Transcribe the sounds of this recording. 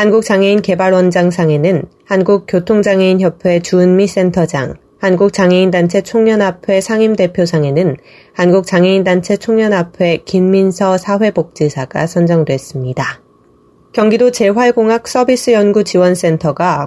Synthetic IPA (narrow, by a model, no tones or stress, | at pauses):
hanɡuk̚t͡ɕ͈aŋe̞inke̞baɭwʌnd͡ʑaŋsʰaŋe̞nɯnhanɡuk̚k͈jotʰoŋd͡ʑaŋe̞inçjʌpʰwe̞t͡ɕunmis͈e̞ntʰʌd͡ʑa̰ŋ | hanɡuk̚t͡ɕaŋe̞indant͡ɕʰe̞t͡ɕʰoŋɲʌnapʰe̞sʰaŋimde̞pʰjosʰaŋe̞nɯn | hanɡuk̚t͡ɕaŋe̞indant͡ɕʰe̞t͡ɕʰoŋɲʌnapʰe̞kinminsʰʌsʰaɸwe̞bok̚t͡ɕ͈esʰaɡ̥a̰sʰʌnd͡ʑʌŋdwe̞s͈ɯmɲida | kjʌŋɡidot͡ɕe̞ɸwaɭɡoŋak̚s͈ʌbis͈ɯjʌnɡut͡ɕiwʌns͈e̞ntʰʌɡa